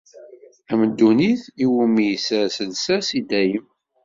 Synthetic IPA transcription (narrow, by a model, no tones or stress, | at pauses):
æməd̪ːuniθiwumijsæsəlsæsid̪æjəm